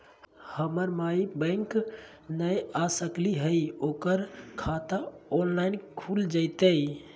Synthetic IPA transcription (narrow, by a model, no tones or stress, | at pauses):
həməɾmaibə̃ŋk | nəjasəkliɦəjokəɾkʰat̪aɔnlaɪnkʰuld͡ʒət̪əj